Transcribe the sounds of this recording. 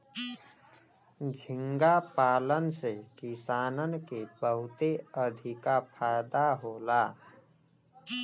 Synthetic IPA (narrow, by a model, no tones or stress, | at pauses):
d͡ʒʱɪ̃ŋɡapaːlənsekisaːnənkebəɦʊt̪eəd̪ʱikapʰajd̪aɦola